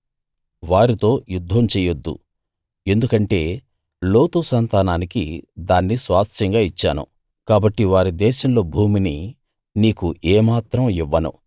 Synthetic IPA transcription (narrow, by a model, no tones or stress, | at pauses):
ʋaːɾit̪o̞ːjud̪ʱːɐmt͡ʃɛːjɐd̪ːṵ | e̞nd̪ukɐɳʈe̞ː | lo̞ːt̪usɐnt̪aːnaːnikḭd̪aːnːisʋaːt̪ʃɐŋɡaːit͡ʃːa̰ːnṵ | kaːbɐʈːiʋaːɾid̪ɛːʃɐmlo̞ːbʱuːmini | niːkuʔɛːmaːt̪ɾɐmiʋːɐnṵ